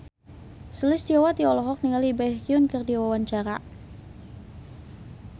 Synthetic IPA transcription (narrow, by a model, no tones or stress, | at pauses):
səlɪsdiawat̪iɔlɔɦɔk̚niŋalibakiʊnkərdiawawaɲt͡ʃaɾa̰